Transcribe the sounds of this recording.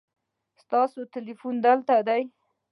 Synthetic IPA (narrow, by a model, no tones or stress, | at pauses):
st̪ɑsot̪ɪlifund̪əlt̪ad̪aj